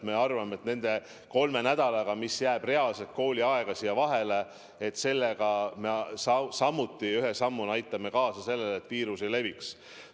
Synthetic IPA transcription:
me̞ɑrvɑmet̪ne̞nd̪̥e̞ | ko̞lme̞næd̪̥ɑlɑɡ̥ɑmisjæːb̥re̞ɑlse̞lt̪̚ko̞ːlʲiɑe̞ɡ̥ɑsijɑvɑɦe̞le̞ | et̪ːse̞lːeɡ̥ɑmesɑsɑmːut̪ːˑiyɦesɑmːunɑjt̪ːˑɑme̞kɑːsɑse̞lːelet̪ːpiːɾusele̞viks

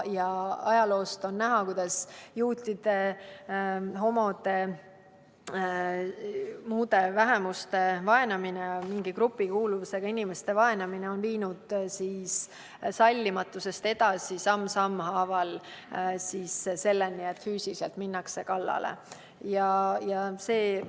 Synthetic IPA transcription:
jɑɑjɑlo̞ːst̪o̞nːæɦɑkujd̪̥ɑsjuːt̪ʲid̪̥e̞ | ɦo̞mo̞d̪̥e̞ | muːd̪e̞væɦe̞must̪e̞vɑe̞nɑminemiŋɡikɾupːˑikuːluvuse̞ɡ̥ɑinimest̪e̞vɑe̞nɑmineo̞nviːnud̪̥sis | sɑlʲːimɑt̪ːˑuse̞st̪e̞d̪̥ɑsisɑmːsɑmːhɑːvɑl | sisse̞lːenːie̞t̪fyːsiselt̪minːɑkse̞kɑlːɑ̰lḛ | jɑjɑse̞ː

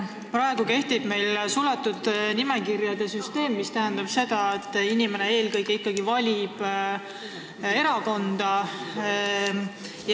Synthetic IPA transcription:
pɾɑe̞ɡ̥uke̞ht̪ib̥me̞jlsulɑt̪ːud̪nimekiɾjɑd̪̥e̞syst̪e̞ːmːist̪æɦænd̪̥ɑb̥se̞d̪̥ɑe̞t̪ːˑinime̞nee̞ːlkɤjkeikˑːɑɡivɑlʲib̥ | e̞ɾɑko̞nd̪̥ɑ | j

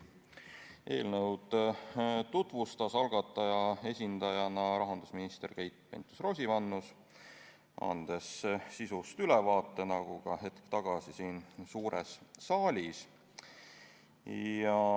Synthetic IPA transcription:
ʔe̞ːlnɤwd̪̥ | t̪ut̪vust̪ɑsɑlɡ̥ɑt̪ːˑɑjɑe̞sʲind̪̥ɑjɑnɑɾɑɦɑnd̪̥usminist̪erkejt̪̚ˑpe̞̰nt̪ːˑu̥sro̞ːsʲivɑnːus | ɑ̰nd̪̥e̞sːisust̪ylɛvɑːt̪ːˑe̞nɑɡ̥uɡɑɦe̞t̪kt̪ɑɡ̥ɑsisiːnsuːɾḛsːɑːlʲis | ɑ

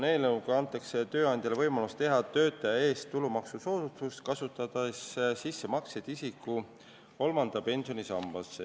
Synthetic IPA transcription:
ne̞ːlnɤwɡɑnt̪ːˑɑkse̞t̪ø̞ːɑnd̪̥ʲjɑlevɤjmɑlust̪t̪e̞ɦɑt̪ø̞ːt̪ːˑɑjɑe̞ːst̪ːulumɑksuso̞ːd̪ut̪ust̪kɑsut̪ːˑɑd̪̥ɑssisːe̞mɑksed̪̥isikːˑu | ko̞lmɑnd̪̥ɑpe̞nʲsio̞nisɑ̰mb̥ɑse

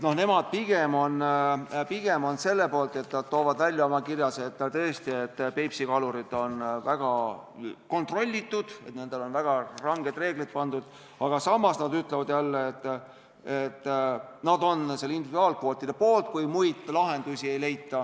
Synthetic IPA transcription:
no̞hne̞mɑd̪̥̚piɡ̥e̞mo̞npiɡ̥e̞mo̞nse̞lːe̞po̞ːlt̪ˑe̞t̪nɑd̪̥̚t̪o̞ːvɑd̪̥vælʲjɑo̞mɑkirjɑse̞t̪ːt̪ɤ̞ːst̪ie̞t̪ːpe̞jpsikɑluɾid̪o̞nvæɡ̥ɑ | ko̞nt̪ro̞lʲːit̪ːˑud̪̥e̞t̪ne̞nd̪̥elo̞nvæɡ̥ɑrɑŋɡ̥e̞d̪re̞ːɡ̥lit̪̚pɑnd̪̥ud̪̥ | ɑɡ̥ɑsɑmːɑsnɑd̪yt̪ˑlevɑd̪̥jælːeet̪ː | et̪ːnɑd̪o̞nselind̪ivid̪uɑːlkvo̞ːt̪ːˑid̪epo̞ːlt̪̚kujmujd̪̥lɑɦe̞nd̪̥usie̞jle̞jt̪ːˑɑ

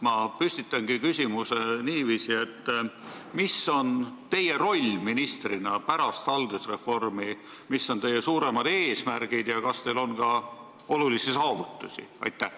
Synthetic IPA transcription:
mɑpysʲt̪it̪ːˑɑnɡ̥ikysʲimuseniːviːsiet̪ː | misːo̞nt̪e̞je̞ɾo̞lʲminist̪rinɑpæɾɑst̪ɑld̪̥usre̞fo̞rmi | misːo̞nt̪e̞jːe̞suːɾe̞mɑd̪̥e̞ːsmærɡ̥id̪̥jɑkɑst̪e̞jlo̞nkɑ | o̞lulisisɑːvut̪ˑːusʲḭɑ̰jt̪ˑːæh

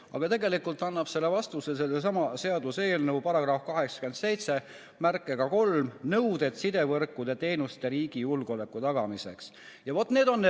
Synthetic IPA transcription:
ɑɡ̥ɑt̪e̞ɡe̞likːult̪ːˑɑnːɑb̥se̞lːe̞vɑst̪useselːesɑmɑse̞ɑd̪use̞ːlnɤuwpɑɾɑɡ̥rɑfkɑɦe̞ksɑ̥kye̞nd̪̥se̞jt̪se̞ | mærkːˑe̞ɡ̥ɑko̞lmnɤwd̪̥e̞t̪sid̪̥e̞vɤrkːˑud̪̥e̞t̪e̞jnust̪eɾiːɡ̥ijulɡ̥o̞le̞kːˑut̪ɑɡ̥ɑmise̞ks | jɑvo̞t̪ːne̞ːd̪̥o̞nː

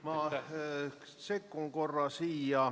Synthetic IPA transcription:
mɑ | sekːuŋko̞rːɑsiːjɑ

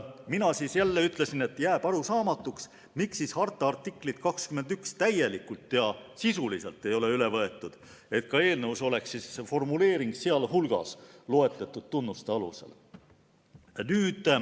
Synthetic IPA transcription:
minɑsisjælːeyt̪ˑle̞sine̞t̪ːˑjæːb̥ɑɾusɑːmɑt̪ːˑuks | miksishɑrt̪ːˑɑɑrt̪ːˑikːˑlit̪kɑkskyme̞nd̪ykst̪æje̞likult̪ːˑjɑsisuliselt̪ˑːe̞jo̞le̞yle̞vɤ̞e̞t̪ːˑud̪̥ | e̞t̪kɑe̞ːlnəuso̞le̞ksisfo̞rmule̞ːɾiŋɡseɑlɦulɡ̥ɑ̰slo̞e̞t̪ˑlet̪ːˑud̪̥̚t̪unːust̪eɑlṵse̞̰l | nyːd̪̥

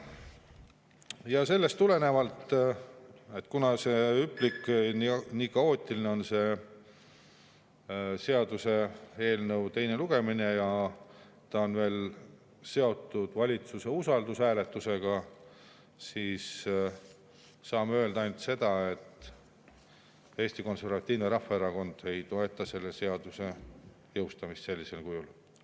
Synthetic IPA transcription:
jɑse̞lːe̞st̪ːule̞ne̞vɑlt̪ | e̞t̪ːˑkunɑse̞ypːˑliknniːkɑo̞ːt̪ʲːˑilineo̞nse̞ | se̞ɑd̪̥use̞e̞ːlnəwt̪e̞jne̞luɡ̥e̞mine̞jɑ | t̪ɑonve̞ːl | se̞o̞t̪ːˑud̪̥vɑlʲit̪suse̞usɑld̪usæːle̞t̪ːˑuse̞ɡ̥ɑ | siːs | ɑːmeøːld̪ɑɑjnt̪se̞d̪ɑe̞t̪ˑː | e̞ːst̪iko̞nse̞rvɑt̪ʲːˑiːvneɾɑfːɑeɾɑko̞nd̪̥e̞jt̪o̞e̞t̪ːˑɑse̞lːe̞se̞ɑd̪use̞ | jɤwst̪ɑmist̪se̞lʲːise̞lkujul

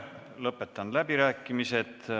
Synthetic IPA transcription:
lɤpːˑe̞t̪ˑːɑnlæbiɾæːkːˑimise̞t̪

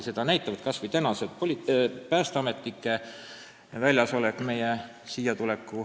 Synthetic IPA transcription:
se̞d̪̥ɑnæjt̪ːˑɑvɑd̪̥kɑsvɯjt̪ænɑsed̪̥polʲipæːst̪ɑme̞t̪ːˑikːˑe | vælʲjɑso̞lekme̞je | sijɑt̪ule̞kːu

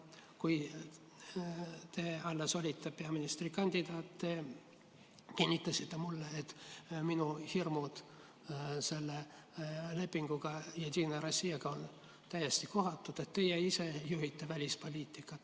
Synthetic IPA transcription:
kuj | t̪e̞ːɑlːeso̞lʲit̪ːˑepe̞ɑminist̪rikɑnʲd̪̥ʲid̪̥ɑːt̪t̪ːe̞ | kinʲːit̪lːɑsit̪ːe̞mulːeet̪minuhirmud̪̥ | se̞lːe | le̞pːiŋɡ̥uɡ̥ɑjɑd̪ʲiːnɑɾɑsieɡ̥ɑon | t̪æjest̪iko̞ɦɑt̪ːˑud̪̥e̞t̪t̪ːe̞jeise̞juɦit̪ːˑe̞vælʲispo̞lʲiːt̪ːˑikːˑɑt̪

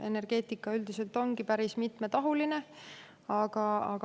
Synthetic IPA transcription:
e̞ne̞rɡ̥e̞ːt̪ikːˑɑyld̪ise̞lt̪ˑo̞ŋɡ̥ipæɾismit̪ˑme̞t̪ɑɦuline̞ | ɑɡ̥ɑɑɡ̥

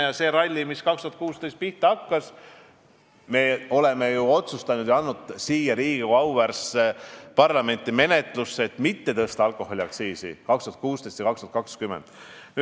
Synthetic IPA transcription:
jɑse̞ːɾɑlʲːimiskɑkst̪uɑt̪̚kuːst̪ejst̪̚piht̪eɑkːɑs | me̞o̞le̞me̞juo̞t̪sust̪ɑnud̪̥jɑɑnːud̪̥siːjɑɾiːɡ̥iɑwværspɑrlɑme̞nʲt̪ːˑime̞ne̞t̪ˑlusːeet̪ːmit̪ːe̞t̪ɤst̪ɑɑlkˑo̞ho̞lʲiɑksiːsḭkɑkst̪uɑt̪̚kuːst̪est̪jɑkɑkst̪uɑt̪kɑkskymend̪̥n

